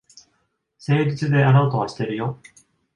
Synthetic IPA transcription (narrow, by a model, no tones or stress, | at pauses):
se̞ːd͡ʑit͡sɨd̪e̞aɾaot̪o̞βaɕi̥t̪e̞ɾɯ̟jo̞